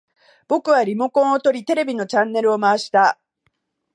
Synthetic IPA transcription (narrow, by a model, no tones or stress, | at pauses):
b̥o̞kɯ̟βaɾʲimo̞kõ̞ɰ̃ot̪o̞ɾʲit̪e̞ɾe̞bʲino̞t͡ɕãnːe̞ɾɯ̟o̞maaɕi̥t̪a